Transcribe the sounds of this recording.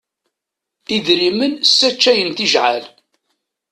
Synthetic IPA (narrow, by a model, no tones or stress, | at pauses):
iðɾimənsːæt͡ʃːæjənθiʒʕa̰l